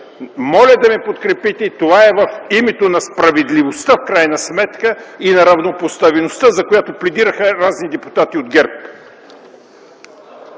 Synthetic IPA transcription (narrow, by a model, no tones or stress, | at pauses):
mɔlʲɐd̪ɐmɛpot̪kɾɛpit̪ɛit̪ovaɛvɐfimɛt̪onɐspɾɐvɛd̪livost̪afkɾajnɐsmɛt̪kəinɐɾɐvnopost̪avɛnost̪əzɐkojat̪oplɛd̪iɾəxəɾaznid̪ɛpu̥t̪at̪iod̪ɡɛɾp